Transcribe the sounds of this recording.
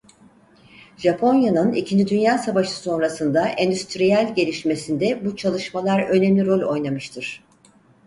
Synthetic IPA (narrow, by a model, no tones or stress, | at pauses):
ʒ̥apʰo̞njanɯnicʰind͡ʒid̪ynjaːsavaʃɯ̥so̞nɾasɯnd̪aʔɛnd̪yst̪ɾijælʲɟe̞lʲiʃme̞sind̪ɛbut͡ʃʰalˠɯʃmalˠaɾø̞nemlʲiɾo̞lʲo̞jnamɯʃt̪ʰɯɾ̥